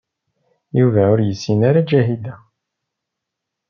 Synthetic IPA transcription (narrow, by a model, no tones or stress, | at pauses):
juvæʊɾjəsːinaɾad͡ʒæɦid̪æ